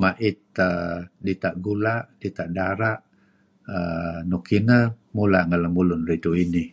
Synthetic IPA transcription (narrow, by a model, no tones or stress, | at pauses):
maʔɪt̪̚ədit̪aʔɡulaʔdit̪aʔdaɾaʔ | ənukinə | mula̰ʔŋəlamulʊnrit̪uini